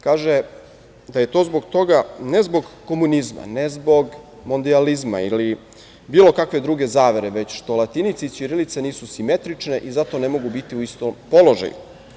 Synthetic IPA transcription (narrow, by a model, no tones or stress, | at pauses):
kaːʒe | d̪aje̞t̪o̞ːzbo̞ɡt̪o̞ɡane̞zbo̞ɡko̞munizma̰ne̞zbo̞ɡ | mond̪ializma̰ḭli | biːlˠo̞kakʋe̞d̪ɾuːɡe̞zaːʋe̞ɾeʋe̞t͡ɕʃt̪o̞lˠat̪init̪sisiɾilit̪seniːsusime̞t̪ɾit͡ʃne̞ʔizat̪o̞ne̞mo̞ɡubit̪iuist̪ompo̞lo̞ʒa̰jṵ